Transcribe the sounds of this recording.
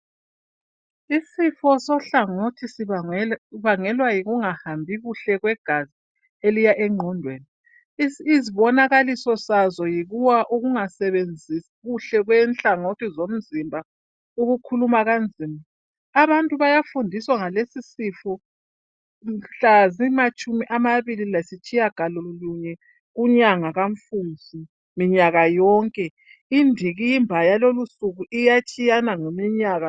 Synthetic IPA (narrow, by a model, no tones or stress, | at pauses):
isifɔsɔɬaŋotʰisi | βaŋɛlwajiɣuŋahambʱiɣuɬɛɣwɛɡ̥ʱazi | elijaʔɛŋ͡ǀʱɔndʱweːni | iziβɔnaɣalisɔsazɔjiɣuwaʔuɣuŋasɛβend͡zʱisiɣuɬɛɣwɛnɬaŋotʰizom̩zimbʱa | uɣukʰulumaɣand͡zʱima | aβantʼuβajafundʱiswaŋalesisifɔ | m̩ɬazimat͡ʃʼumiʔamaβililasit͡ʃʼijaɡ̥ʱalɔluɲɛ | ɣuɲaŋaɣaɱfund͡zʱi | miɲaɣajɔːŋkʼɛ | indʱiɣiimbʱajalolusuɣuʔijat͡ʃʼijanaŋomiɲaːɣa